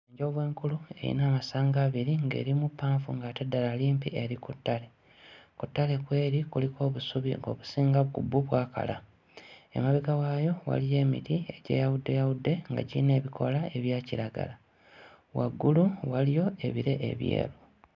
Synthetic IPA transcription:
eɲɟoβwe̞ːŋkulue̞̰jḭnaːmasaːŋɡaːβiɾiŋɡe̞̰ːɾimupːaːɱfuŋɡatedːalaliːmpieɾikutːale̞ | kutːale̞kwe̞ːɾikuliko̞ːβusuβiŋɡo̞̰ːβusiːŋɡaβukubːuβwaːka̰la̰ | e̞̰maβekawajo̞wa̰lije̞ːmḭtie̞ɟe̞̰ːjawudːe̞jawudːe̞ŋɡa̰ɟḭne̞ːβikʰo̞lae̞βjaːciɾaɡa̰la | wa̰ɡːuluwalijo̞e̞βiɾe̞ʔḛβjḛːɾu

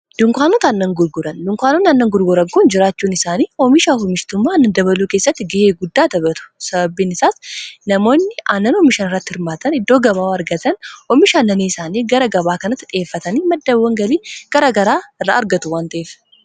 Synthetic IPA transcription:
d̪̥ʊŋkʷaːnɔt̪ɐnːɐŋɡʊɾɡʊɾɐnd̪ʊŋkʷaːnɔnɐnːɐŋɡʊɾɡʊɾɐɡkuːnd͡ʒɪɾaːt͡ʃːuːnɪsaːniːɔmɪʃaːhɔmɪʃt̪ʊmːaːnːɐnd̪ɐβɐluːke̞ːsːɐt̪ːɪɡɪheːɡʊd̪ːaːt̪ɐbɐt̪ʊ̥sɐbɐbiːnɪsaːsnɐmo̞ːnːɪanːɐnɔmɪʃɐːnɪrːɐt̪ːɪhɪɾmaːt̪ɐnɪd̪ːo̞ːɡɐβaːwɐɾɡɐt̪ɐnɔmɪʃaːnːɐneːsaːniːɡɐɾɐɡɐbaːkɐnɐt̪ːɪᶑʼɪeːfːɐt̪ɐniːmɐd̪ːɐbwɐŋɡɐliːɡ̥ɐɾɐɡɐɾaːɪrːa̰ːɐɾɡɐt̪ʊwaːnt̪ɐʔeːf

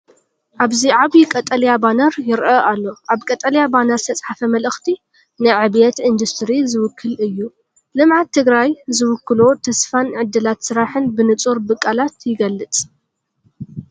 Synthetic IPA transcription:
ʔaβziʕaβikʼɐt̪ʼɐljabanɐɾjɪɾʔɐʔalːo̞ʔaβkʼɐt̪ʼɐljabanɐɾɨt̪ʰɐt͡sʼħafɐmɐlɨxt̪ʰi | nɨʕɨβjɛt̪ʔɨnd̪ust̪ʰɾizɨwʊkʰːɨlʔɨjːu | lɨmʕat̪ʰːɨɡɾajzɨwʊkːɨlo̞t̪ʰɐsfanʕɨd̪ːɨlat̪sɨɾaħɨnbɨnɨt͡sʼuɾbɨkʼːalat̪jɪɡɐlːɨt͡sʼ

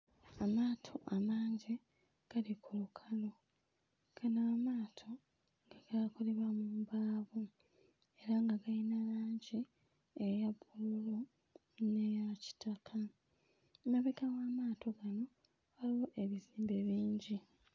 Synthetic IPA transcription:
amaːtʰo̞ʔamaːɲɟi | ɡ̥alikʰulukʰalo̞ | ɡ̥anaːmaːtʰo̞ | ŋɡaɡ̥akoleβwamuːmbaːβu | eɾaŋɡaɡalinalaːɲɟi | ejabululo | nejaci̥tʰakʰa | maβekawaːmaːtʰo̞ɡano̞ | aliwoʔe̞βiziːmbeβiːɲɟi

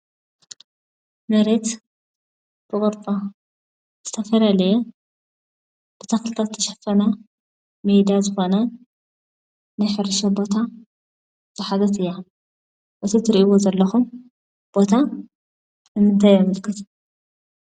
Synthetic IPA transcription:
nɐɾet̪ | b̥ɨkʼɨɾtʼo | z̥ɨt̪ʰɐfɐlalɐjɛ | b̥ɨt̪ʰɐxlɨt̪ʰat̪ʰːɐʃɐ̥fɐna | mejd̪azɨxo̞nɐ | najħɨɾɨʃɐbo̞t̪ʰa | z̥ɨħazɐt̪ɨjːa | ʔɨt̪ʰit̪ʰɨɾiʔiwozɐlːɐxum | b̥o̞t̪ʰa | nɨmɨnt̪ʰajmɨlkʰːɨt̪

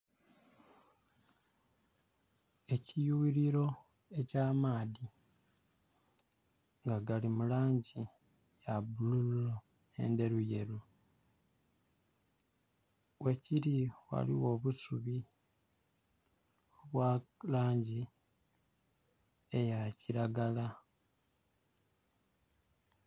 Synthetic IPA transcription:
e̞cijuwiɾiɾo̞ | e̞caːmaːði | ŋɡaɡalimulaːɲɟi | jabululo | ḛnde̞ɾuje̞ɾu | we̞ciɾiwa̰liwo̞ːβusuβi | oβwalaːɲɟi | e̞jaciɾaɡala

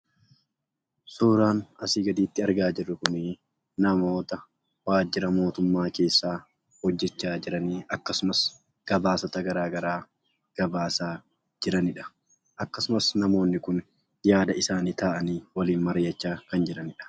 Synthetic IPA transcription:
suːɾaːnɐsiːɡɐd̪iːt̪ːɪɐɾɡaːd͡ʒɪrːʊkʊnɪ | nɐmo̞ːt̪ɐ | waːd͡ʒːɪɾɐmo̞ːt̪ʊmːaːke̞ːsːaː | hɔd͡ʒːɛt͡ʃːaːd͡ʒɪɾɐniːɐkːɐsʊmɐs | ɡ̥ɐbaːsɐt̪ɐɡɐɾaːɡɐɾaː | ɡ̥ɐbaːsaː | d͡ʒɪɾɐnɪᶑɐ̥ | ʔɐkːɐsʊmɐsnɐmo̞ːnːɪkʊn | jaːd̪ɐɪsaːniːt̪aːʔɐniːwɐliːnmɐɾɪjɐt͡ʃːaːkɐnd͡ʒɪɾɐnɪᶑɐ̥

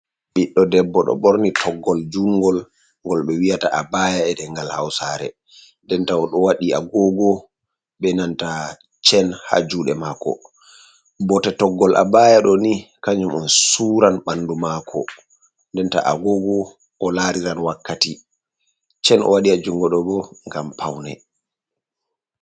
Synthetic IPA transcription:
ɓiɗːɔdɛbːɔɗɔ̰ɓɔɾnitʰɔɡːɔld͡ʒuŋɡɔl | ŋɡɔlɓɛwijataʔabajaɛdɛŋɡalhawsaɾɛ̰ | ndɛntawɔɗɔwaɗiaɡɔɡɔ | ɓɛnanta | t͡ʃɛnha̰d͡ʒuɗɛmakɔ̰ | bɔtɛtɔɡːɔlʔa̰bajaɗɔnikaɲumɔnsuːɾanɓandumaːkʰɔ̰ | ndɛnta̰ʔa̰ɡɔɡɔ | ʔːlaːɾiɾanwakːati | t͡ʃɛnʔɔ̰waɗiad͡ʒuŋɡɔɗɔbɔŋɡampʰawnɛ̰

